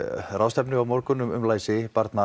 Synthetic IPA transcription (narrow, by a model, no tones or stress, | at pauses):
rawst̪ɛpnʏawmɔwɾkʏnʏmʏmlaːjsɪpaɾt̪na